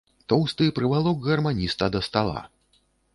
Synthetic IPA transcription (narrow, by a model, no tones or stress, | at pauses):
t̪ɔwst̪ɨpɾɨvalˠɔkɣɐrmanʲist̪ɐd̪ɐst̪alˠa̰